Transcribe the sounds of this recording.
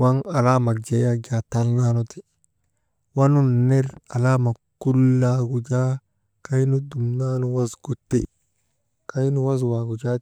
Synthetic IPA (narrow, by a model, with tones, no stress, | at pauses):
wa˦ŋa˨la˦ma˨k̚d͡ʒe˨ja˦d͡ʒa˨t̪a˦lna˦no˦t̪i̥˨ | wa˦nu˦ne˦ɾa˨la˦ma˨kːu˦lːa˦ɡu˨d͡ʒa˦ | ka˦jnu˦d̪u˨mna˦nu˨wa˦sɡ̥u˨t̪ːḛ˦ | ka˦jnu˦wa˦swa˨ɡu˨d͡ʒa˦